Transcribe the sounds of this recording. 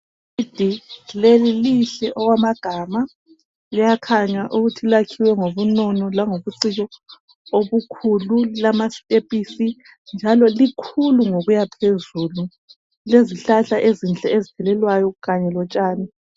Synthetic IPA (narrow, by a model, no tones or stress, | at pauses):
id̥ʱileliliɬɛʔɔɣwamaɡ̥ʱama | lijakʰaɲaʔuɣutʰilakʰiwɛŋoβunɔnɔlaŋoβuǀiɣɔ | oβukʰululamastʼepʼisi | nd͡ʒʱalɔlikʰuluŋoɣujapʰezulu | leziɬaɬaʔezint͡ɬʼɛezitʰɛlɛlwajɔɣaɲɛlɔt͡ʃʼaːni